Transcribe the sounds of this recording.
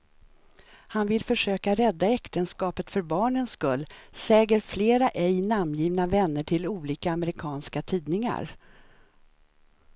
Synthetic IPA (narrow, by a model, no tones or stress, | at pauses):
hanvɪlfœʂøːkaɾɛd̪ːaɛkt̪ənskɑːpət̪fœɾbɑːɳənskɵlːsɛːɡəɾfleːɾaʔɛjnamjiːvnavɛnːəʈʰɪluːliːkaːməɾɪkʰɑːnskat̪ʰiːd̪nɪŋa̰ɾ